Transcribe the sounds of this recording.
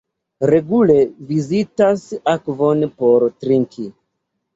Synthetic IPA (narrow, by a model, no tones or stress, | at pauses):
ɾe̞ɡule̞vizitasakvo̞npoɾtɾiŋkʰi